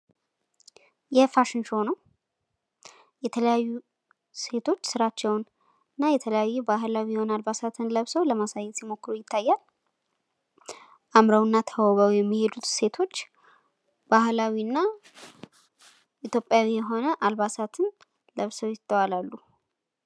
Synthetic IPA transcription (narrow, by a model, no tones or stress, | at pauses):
jɛfaʃɪnʃo̞nəw | jɛt̪ʰələjajːu | se̞t̪ʰo̞t͡ʃːsɨɾat͡ʃːɛwn | ɨnːajɛt̪ʰələjajːubaɦlawijɛho̞nalbasat̪ʰɨnləβsəwləmasajːɛt̪simo̞kːɨɾujɪt̪ʰːajːal | ʔamɾəwnːat̪ʰəβəwjɛmːihe̞d̪ut̪se̞t̪ʰo̞t͡ʃː | b̥ahlawiɨnːa | ʔit̪ʰjo̞pʼjawijɛɦo̞nəʔalbasat̪ʰɨn | ləβsəwjɪt̪ʼːəwalalːu